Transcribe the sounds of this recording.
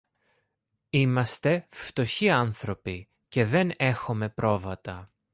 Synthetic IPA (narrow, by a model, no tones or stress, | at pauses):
imɐst̪e̞ft̪o̞çiɐnθɾo̞pi | ce̞ðe̞ne̞xome̞pɾo̞vɐt̪ɐ